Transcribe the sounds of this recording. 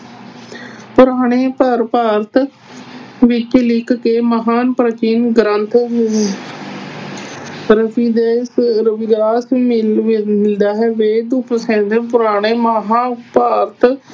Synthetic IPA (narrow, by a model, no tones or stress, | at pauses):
pʊɾaːɽ̃eːpəɾpaːɾt̪ | ʋɪt͡ʃlɪkkeːməɦaːnpɾət͡ʃiːnɡɾənt̪ʰ | ɾəpʰiːd̪eːsɾəbɪɡɾaːsi | mɪld̪aːɦɛːʋeːd̪ʊpʰsɛ̃ːd̪epʊɾaːɽ̃eːməɦaːpaːɾt̪